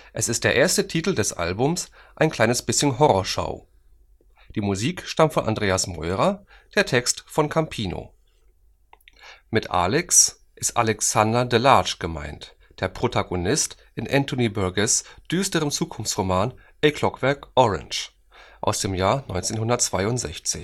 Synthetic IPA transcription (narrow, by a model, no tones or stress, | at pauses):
ʔɛsɪst̚d̥eːɐʔeːɐstətʰiːtl̩dɛsʔa̰lbʊmsʔaɪnkʰl̥aɪnəsb̥ɪsçənɦɔʁɔɐʃa̰ʊ | d̥iːmuziːkʃtamtfɔnʔa̰ndʁeːasmɔ̰ʏʁɐ | d̥eːɐtʰɛkstfɔnkʰampʰiːno̰ | mɪtʔa̰lɛks | ʔɪstʔa̰lɛksandɐdəlaːt͡ʃɡ̥əma̰ɪnt | d̥eːɐpʁ̥otʰaɡonɪst | ʔɪnʔɛntʰonibœɐɡɛsd̥yːstəʁəmt͡suːkʰʊnft͡sʁomaːnʔɛkʰlɔkv̥ɛɐkʔɔʁɛ̰nt͡ʃ | ʔa̰ʊsd̥eːmjaːɐnɔʏnt͡seːnhɦʊndɐt̚t͡sv̥aɪʊntz̥ɛ̰çt͡sɪç